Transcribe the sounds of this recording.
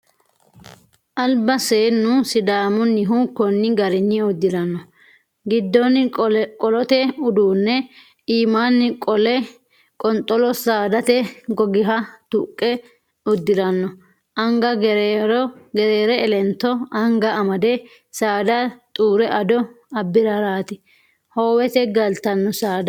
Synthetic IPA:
ʔɐlbɐseːnːʊsɪd̪aːmɔnːɪɦukːɔnːɪɡɐɾɪnːɪɔd̪ːɪd̪ɐnːɔ | ɡɪd̪ːɔnkʼɔlɔt̪ɛʊd̪uːnːɛ | iːmaːnːɪkʼɔlɛ | kʼɔnt̪ʼɔlɔsaːd̪ɐt̪ɛɡɔɡɪɦɐt̪ʊkʼːɛ | ʊd̪ːɪd̪ɐnːɔ | ʔɐŋɡɐɾɔɡɛɾeːɾɛɛlɛnt̪ːɔɐŋɡɐɐmɐd̪ɛ | saːd̪ɐt̪ʼuːɾɛʔɐd̪ɔ | ɐbːɪɾɐɾaːt̪ɪ | hoːwɛt̪ɛɡɐlt̪ɐnːɔsaːd̪ɐ

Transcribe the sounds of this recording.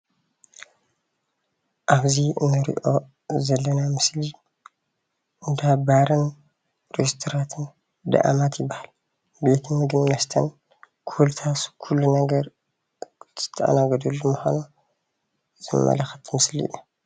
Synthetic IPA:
ʔaβzinːɨɾḭʔo̞ | zɐlːɐnamɨsli | nd̪abaɾɨn | ɾest̪ʰoɾat̪ʰɨn | d̪ɐ̰ʔa̰mat̪jɪbːahal | be̞t̪ʰmɨɡɨmnɐst̪ʰɐn | kʰuwlt̪ʰaskʰulːunɐɡɐɾ | zɨ̥t̪ʰːɐʔa̰naɡɐd̪ɐlːumuxo̰nu | zɨmɐ̰lɐxɐt̪ʰmɨsliʔḭju

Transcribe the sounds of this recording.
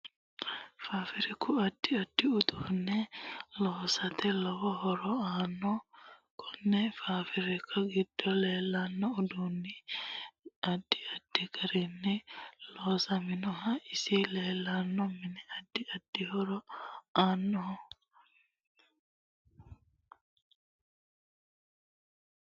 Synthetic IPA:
faːfɪɾɛkʊɐd̪̥ːɪɐd̪̥ːɪʊd̪unːɛloːsɐt̪ɛlɔwɔhɔɾɔaːnːɔkʰɔnːɛfaːfɪɾɛkʰːɐɡɪd̪̥ːɔleːlːɐnːɔːd̪unːɪ | ɐd̪ːɪɐd̥ːikɐɾinːɛlɔːsɐmɪnɔɦaɪsileːlːanːɔmɪnɛɐd̪ːɪɐd̥ːɪhɔɾɔaːnːɔhɔ

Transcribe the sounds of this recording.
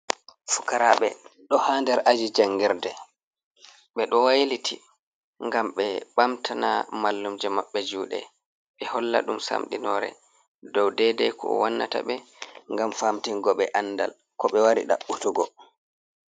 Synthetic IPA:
fu̥kaɾaɓɛ̰ɗɔhandɛɾʔad͡ʒid͡ʒaŋːɡiɾdɛ | ɓɛɗɔwajlitʰi | ŋɡamɓɛɓamtʰana̰malːumd͡ʒɛmaɓːɛd͡ʒuːɗɛ̰ | ɓɛhɔlːa̰ɗumsa̰mɗinɔɾɛ̰ | dɔwdɛdɛkʰɔɔ̰wanːata̰ɓɛŋɡamfamtiŋɡɔɓɛʔanːda̰l | kɔɓɛwaɾḭɗa̰ɓutuɡɔ

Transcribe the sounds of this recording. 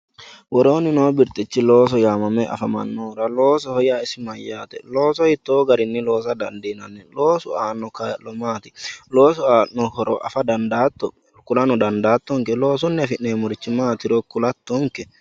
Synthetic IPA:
wɔɾo̞ːnɪnoːbɪɾt̪ʼɪt͡ʃːɪloːs̬ɔjaːmɐmɛʔɐ̰fɐmɐ̰nːoːɾɐlo̞ːsɔhɔjaːɪsɪmɐjːaːt̪ɛ̰lo̞ːsɔhɪt̪ːoːɡɐɾɪnːɪlo̞ːsɐd̪ɐnd̪inɐnːɛlo̞ːsʊaːnɔkɐlɔmaːt̪ɪlo̞ːs̬ʊaːnɔhɔɾɔʔɐ̰fɐd̪ɐnd̪aːt̪ːɔ | kʊlɐnɔd̪ɐnd̪aːt̪ːɔŋkɛlo̞ːs̬ʊnːɪɐfɪnːeːmɔɾɪt͡ʃːɪmaːt̪ɪɾɔkʊlɐt̪ːɔŋkɛ

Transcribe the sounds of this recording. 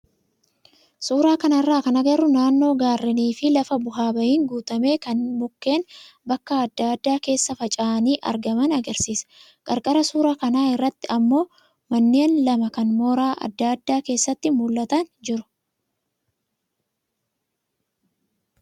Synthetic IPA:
suːɾaːkɐnɐrːaːkɐnɐɡɐɾʊnaːnːo̞ːɡaːrːɛniːfɪlɐfɐbʊɦaːbɐjiːŋɡuːt̪ɐme̞ːkɐnmʊkːe̞ːnbɐkːɐːd̪ːad̪ːaːke̞ːsːɐfɐt͡ʃʼaːniːʔɐ̰ɾɡɐmɐnɐɡɐɾsiːsɐ̥ | kʼɐɾkʼɐɾɐsuːɾaːkɐnaːɪrːɐt̪ːɪɐmːo̞ː | mɐnːe̞ːnlɐmɐkɐnmo̞ːɾaːʔɐ̰d̪ːaɐd̪ːaːke̞ːsːɐt̪ːɪmʊlːɐt̪ɐnd͡ʒɪɾʊ̥

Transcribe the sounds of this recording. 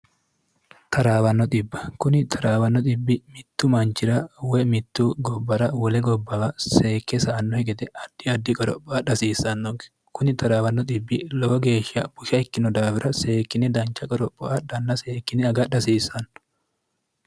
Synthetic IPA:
t̪ʰɐɾaːwɐnːɔd̪ɪbːɐ̥kʊnɪt̪ʰɐɾaːwɐnːɔd̪ɪbːɪmɪt̪ːʊmɐnt͡ʃɪɾɐwɛmɪt̪ːuːɡɔbːɐɾɐwɔlɛɡɔbːɐɐseːkːɛsɐʔːnːɔhɛɡɛt̪ɛʔɐd̪̥ːɪɐd̪ːɪkʼɔɾɔ̰pʼːɔaᶑɐsiːsːɐnːɔɡɛ̥ | kʊnɪt̪ʰɐɾaːwɐnːɔd̪ɪbːɪlɔwɐɡeːʃɪɐb̥ʊʃɐɛkːɪnɔd̪aːbɪɾʔɐseːkːɪnɛd̪ɐnt͡ʃːɐkʼɔɾɔpːɔʔɐd̪ɐnːɐseːkːɪnɛɐɡɐᶑɐsiːsːɐn

